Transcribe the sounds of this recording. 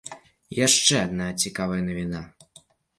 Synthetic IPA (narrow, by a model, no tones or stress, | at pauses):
jaʂt͡ʂɛad̪̚naɐt͡sʲikavɐjɐnɐvʲina